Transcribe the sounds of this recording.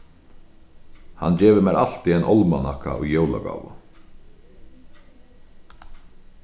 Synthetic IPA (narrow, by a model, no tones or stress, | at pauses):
hand͡ʑɛːʋɪmɛːɾal̥t̪iɛnʔɔlmanahka̰ʔɔjowla̰ɡa̰ːwʊ̰